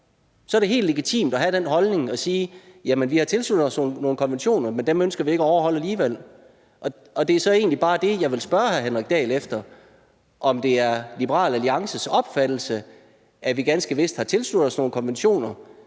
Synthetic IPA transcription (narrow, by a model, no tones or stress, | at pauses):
sɒ̽æɐɾeɦe̝̰ːldleɡ̥it͡sʰḭːmd̥ɒɦæd̥enɦɒ̽lne̝ŋɒ̽siːjæmenʋihɑ̈t͡sʰe̝lsludð̥̩ˠɒ̽sno̝ːnno̝ːn̩kʰɒ̽nʋenɕo̝̰ːnɐmend̥emønsɡ̥ɐʋie̝ɡ̥æɒʊɐɦɒ̽l̰æliːʋel̰ | ʔɒ̽ | ɒ̽d̥e̝æɐsɒ̽e̝ːnlib̥ɑ̈ːd̥e̝jɑ̈ɪʋe̝lsb̥ɶɐhæɐɦenʁɛɡ̥̚d̥ɛ̰ːlefd̥ɐ | ʔɒ̽md̥e̝æɐlib̥əʁɑ̰̈ːlæliɑ̈ŋsəsɒ̽b̥fæd̥l̩sə | ʔæʋiɡ̥ænsɡ̥əʋe̝sd̥hɑ̈t͡sʰe̝lslud̥̩ˠɒsno̝ːn̩əkʰɒ̽nʋenɕo̝̰ːnɐ